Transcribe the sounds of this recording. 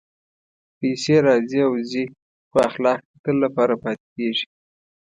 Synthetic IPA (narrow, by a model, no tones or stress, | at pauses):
pejseɾɑziawzi | xoaxlɑk̚at̪əlːapɑɾapɑt̪e̥keʒi̥